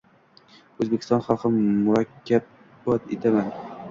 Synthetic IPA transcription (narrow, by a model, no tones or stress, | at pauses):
ɵzbekʲɪ̥st̪ɒnχɑlˠqɨmʊɾakʲːab̚ | ɒt̪et̪ʰaman